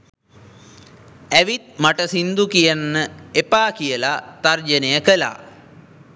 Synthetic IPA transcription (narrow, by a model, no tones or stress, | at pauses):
æʋit̪̚maʈəsind̪ukijanːəepaːkijəlat̪ard͡ʒənejəkəla̰ː